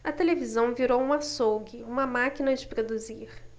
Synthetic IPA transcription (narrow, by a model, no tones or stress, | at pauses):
ɐt̪elevizɐ̃w̃viɾowũɐsowɡɪũmɐmakinɐd͡ʒɪpɾod̪uziɾ